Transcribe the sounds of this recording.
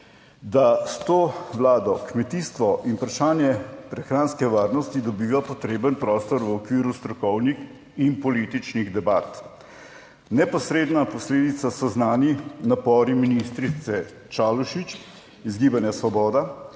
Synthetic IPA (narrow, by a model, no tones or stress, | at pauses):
d̪ast̪oːʋlaːd̪ɔkmɛt̪iːst̪ʋɔʔinpɾaʃaːnjɛpɾɛxɾanskɛʋaːɾnɔst̪id̪ɔbiːʋapɔt̪ɾeːbənpɾɔːst̪ɔɾʋəɔkʋiːɾust̪ɾɔkɔwnix | inpɔlit̪it͡ʃniɣd̪ɛbat̪ | nɛpɔsɾeːd̪napɔsleːd̪it̪sasɔznaːninapɔːɾiminist̪ɾit̪sɛ | t͡ʃaːluʃit͡ʃ | izɡiːbanjasʋɔbɔːd̪a